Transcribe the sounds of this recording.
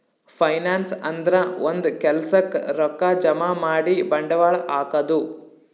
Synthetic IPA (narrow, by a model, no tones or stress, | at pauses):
pʰɐjnaːnsɐnd̪ɾɐond̪ukɛlɐsɐkɾɔkːad͡ʒɐmaːmaːɽibɐɳɖɐʋaːɭaːkɐd̪u